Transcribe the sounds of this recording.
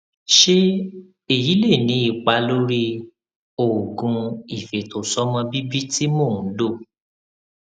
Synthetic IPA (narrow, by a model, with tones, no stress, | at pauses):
ʃe˦ | e˦˨ji˨˦le˦˨nĩ˨˦i˦˨k͡pa˨˦lo˦ɾi˦ | o˨ɡũ˨˧i˨fe˨to˨sɔ˦mã˧bi˦bi˦ti˦mo˦˨ũ˨˦do˦˨